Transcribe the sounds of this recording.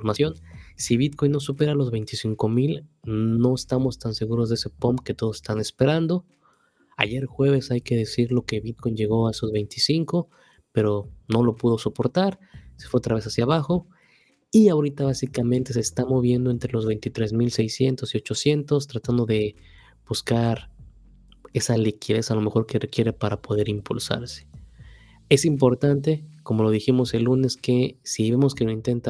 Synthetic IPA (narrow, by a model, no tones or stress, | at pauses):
foɾmasjo̞nsiβit̪ko̞jnːo̞supe̞ɾalo̞zβe̞jnt̪isiŋko̞milno̞est̪amo̞st̪anse̞ɣuɾo̞zðeese̞pompke̞t̪o̞ðosest̪ane̞spe̞ɾand̪o̞ | a̰ʝe̞ɾxwe̞β̞e̞sajke̞ð̞e̞siɾlo̞ke̞βit̪ko̞jnd͡ʒe̞ɣo̞ae̞sozβe̞jnt̪isiŋko̞ | pe̞ɾo̞no̞lo̞puðo̞so̞po̞ɾt̪aɾsefweot̪ɾaβe̞s̬asjaβ̞axo̞ | iaoɾit̪aβasikamẽnt̪e̞s̬eːst̪amo̞β̞je̞nd̪oe̞nt̪ɾe̞lo̞zβe̞jnt̪it̪ɾe̞zmilse̞jsje̞nt̪o̞sio̞t͡ʃo̞sje̞nt̪o̞st̪ɾat̪and̪o̞ðe̞ | b̥uskaɾ | e̞salikʰiðe̞salo̞me̞xo̞ɾke̞rekje̞ɾe̞paɾapo̞ðe̞ɾimpulsa̰ɾse̥ | e̞simpo̞ɾt̪ant̪e̞ko̞mo̞lo̞ðiximo̞se̞lːune̞ske̞siβe̞mo̞skeloint̪e̞nt̪a